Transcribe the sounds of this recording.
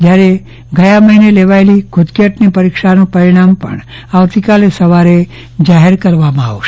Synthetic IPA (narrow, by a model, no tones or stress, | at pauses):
d͡ʒjaɾe | ɡʱəjaməɦineleʋalikʰod̪kjəʈnipəɾikʃanũpəɾiɽ̃ampə̰ɳ | aʋt̪ikalesəʋaɾe | d͡ʒaɦeɾkəɾʋamãa̰ʋoʃe